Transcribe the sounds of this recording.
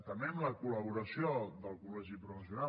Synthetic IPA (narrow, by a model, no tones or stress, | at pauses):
t̪əmbemləkuləβ̞uɾəsiod̪əlˠkulɛʒipɾufəs̬una